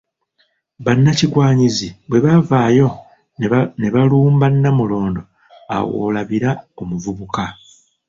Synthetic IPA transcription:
βanːaciɡwaːɲizibwe̞βavaːjo̞ | ne̞βaluːmbanːamulo̞ːndo̞ | a̰wo̰ːlaβiɾaomuvuβuka

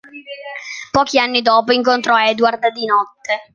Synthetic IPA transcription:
pɔːk̟ianːid̪ɔːpoiŋkont̪ɾɔɛd̪uard̪d̪inɔt̪ːe

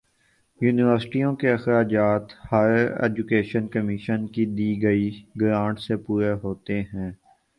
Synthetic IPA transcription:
juːnɪʋəɾsʈijõkeɐxɾaːd͡ʒaːt̪haːjəəɾḛːd͡ʒʊkeːʃənkəmɪʃənkid̪iːɡɐiɡɾãːɳʈsepuːɾeɦoːt̪eɦɛ̃ː

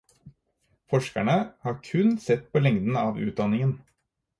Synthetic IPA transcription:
fɔʂkæɳəhɑːɾkʰʉnsɛt̪ːpʰoːlɛŋd̪n̩ɑːʋʉ̰ːt̪̚d̪ɑnɪŋən

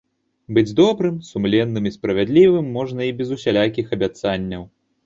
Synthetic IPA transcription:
bɨd͡zʲd̪ɔbɾɨmsumlʲɛnːɨmispɾɐvʲad̪lʲivɨmːɔʐnɐibʲɛzusʲalʲak̬ʲixɐbʲat̪sanʲːɐw

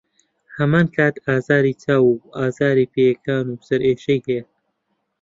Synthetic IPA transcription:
hɐmaːnkʰaːt̪ʰaːzaːɾiːt͡sʰaːwuaːzaːɾiːpeːjɐkʰaːnusɐɾʔeːʃejhɛja

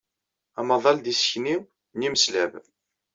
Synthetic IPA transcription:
æmɑðˤɑld̪isə̥çniw | niməslæv

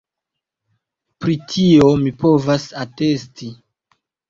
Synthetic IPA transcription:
pɾitʰiomipo̞vasate̞sti

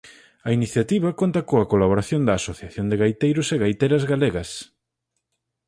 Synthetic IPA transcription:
ɐiniθjat̪iβɐkont̪ɐkoɐkolaβ̞oɾaθjond̪ɐːsoθjaθjond̪eɣajt̪ejɾʊseɣajt̪ejɾɐzɣaleɣɐs

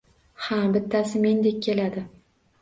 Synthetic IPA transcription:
habɪt̪ʰːasɪme̞nd̪e̞k̚ʲːʰe̞lad̪ɪ

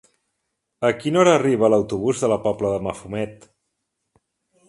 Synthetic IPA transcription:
əkinɔɾəːriβ̞əːləwt̪uβ̞uzðələpɔpləðəməfumɛt̪

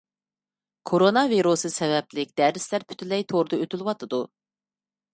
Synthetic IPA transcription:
kʰoɾonɑviɾusɨsɛvɛplɪkʲd̪̥æɾɪslæɾpʰy̥t̪ʰylɛjt̪ʰoɾd̪ɑøt̪ʰylwɑt̪ʰɨd̪u

